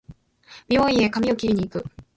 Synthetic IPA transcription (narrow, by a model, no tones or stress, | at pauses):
b̥ʲiõĩe̞kamʲiokʲiɾʲiɲ̟iːkɯ̟